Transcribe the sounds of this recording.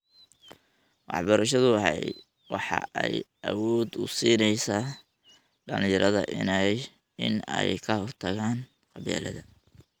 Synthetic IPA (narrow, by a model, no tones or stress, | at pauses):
wɑ̰ħbɐɾɐʃɐðʊɑɦɛj | wɑħɑ̰ʔɛjʔɐwɔːd̪ʊsiːnɛjsa | ɖɐlɪjɐɾʔɐðɐ̰ʔɪ̰nɛj | ɪnɛjkʰɐhɔrt̪ʰɐɣaːn | qɑβja̰ːlɐðɐ